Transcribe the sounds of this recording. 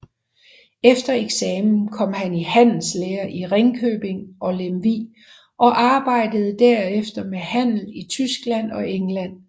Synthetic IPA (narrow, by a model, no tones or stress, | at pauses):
efd̥ɐeɡ̥sɛːmn̩kʰɒ̽m̰ɦænihæn̰l̩sleːɐʔiʁeŋkʰøːb̥e̝ŋʔɒ̽lemʋiː | ʔɒ̽ʔɑ̈ːb̥ɑ̈ɪ̰d̥əð̞̩ˠd̥æɐefd̥ɐmehæn̰l̩it͡sʰysɡ̥læn̰ɒ̽ʔeŋlæn̰